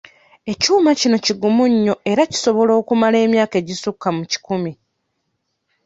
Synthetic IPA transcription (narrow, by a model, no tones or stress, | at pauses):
e̞cuːmacino̞ciɡumuɲːo̞e̞ɾaci̥so̞βo̞lo̞ːkumale̞ːmjaːke̞ːɟisukːamuci̥kumi